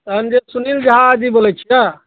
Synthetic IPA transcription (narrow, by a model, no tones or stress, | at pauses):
ɐnd͡ʒesunild͡ʒɐɦad͡ʒibolet͡ʃʰija